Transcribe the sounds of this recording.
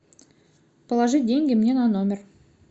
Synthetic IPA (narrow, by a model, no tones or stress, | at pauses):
pʰəlˠɑʐɨd̪ʲeŋɡʲemnʲe̞nɑnomʲer